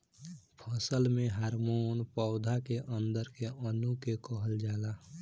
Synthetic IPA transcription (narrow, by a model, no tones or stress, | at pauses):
pʰəsəlmẽɦaːɾmoːnpɔːd̪ʱakeʔə̃nd̪əɾkeʔənukekɔɦəld͡ʒaːla